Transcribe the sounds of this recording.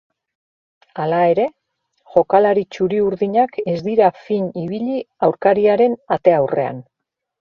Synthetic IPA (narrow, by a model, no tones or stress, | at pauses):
alae̞ɾe̞ | ʝo̞kalaɾit͡ʃuɾiuɾðiɲake̞zd̪iɾafiɲiβ̞iʎiawɾkaɾiaɾe̞nat̪e̞awre̞̰a̰n